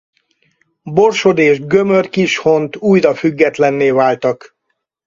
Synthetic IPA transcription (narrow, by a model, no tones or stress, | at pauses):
bo̞rʃod̪eːʒɡø̞mørkiʃho̞nt̪uːjɾɒfyɡːɛt̪lɛnːeːvaːlt̪ɒk